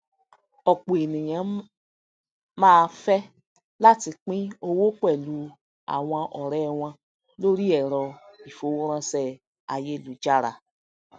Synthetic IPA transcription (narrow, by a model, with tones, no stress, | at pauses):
ɔ˨k͡po˨e˨nĩ˨jã˨˦ | mãː˦˧fɛ˦ | la˦˨ti˧k͡pĩ˦o˧wo˦kɛ˦˨lu˧ | a̰˨w̃ã˧ʔɔ˨ɾɛ˦w̃ã˧ | lo˦ɾi˦ɛ˨ɾɔ˨i˨fo˨˦wo˦ɾ̃ã˧sɛ˧˨ | a˨je˦lu˨d͡ʒa˦ɾa̰˨